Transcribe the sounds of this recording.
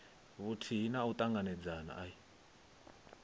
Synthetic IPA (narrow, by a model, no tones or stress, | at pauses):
βutʰiɦinaut̪ʼaŋɡanɛd͡zana̰ʔai